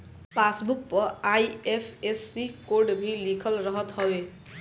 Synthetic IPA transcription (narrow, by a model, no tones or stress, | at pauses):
pasbuk̚pɔajepʰesːikoɾɖbʱilikʰəlɾɔɦɔt̪hɔbe